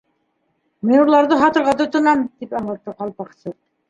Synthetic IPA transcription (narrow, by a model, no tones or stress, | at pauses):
minuɾlˠɑɾðɤɦɑt̪ɤ̆ɾʁɑt̪ut̪ɤ̆nɑmt̪ipɑɴlˠɤ̆t̪ːɤqɑlˠpɑqsɤt